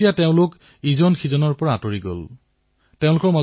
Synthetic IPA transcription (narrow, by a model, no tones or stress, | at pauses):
ijateʊ̃lʊk | izɔnxʰizɔnɔɹpɔɹaːtoɹiɡo̰l | teʊ̃lʊkɔɹma